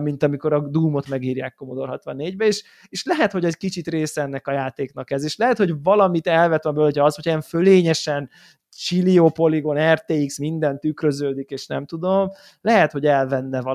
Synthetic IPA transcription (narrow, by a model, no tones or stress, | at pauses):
mint̪ɒmiko̞ɾɒd̪uːmo̞t̪mɛɡiːɾja̰ːkːo̞mod̪o̞rɦɒt̪ʋɒnːeːɟbɛeːʃ | eːʃlɛɦɛt̪ho̞ɟɛckit͡ʃit̪reːsɛɛnːɛkɒjaːt̪eːknɒkɛzeːʃlɛɦɛt̪ho̞ɟvɒlɒmit̪ɛlvɛt̪ɛmbølhocʰɒɒshocʰjɛɱføleːɲɛʃɛn | t͡ʃilioːpo̞liɡo̞nɛrt̪eiksmind̪ɛnt̪ːykrø̞zøːd̪ikeːʃnɛmt̪ud̪o̞m | lɛɦɛt̪ho̞ɟɛlvɛnːɛvɒ